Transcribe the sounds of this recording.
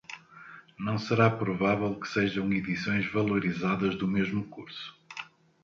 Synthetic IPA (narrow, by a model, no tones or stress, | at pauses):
nɐ̃w̃sɨɾapɾuvavɛlˠkɨ̥seʒɐ̃w̃iðisõj̃ʒvɐlˠuɾizaðɐʒðumeʒmukuɾsu̥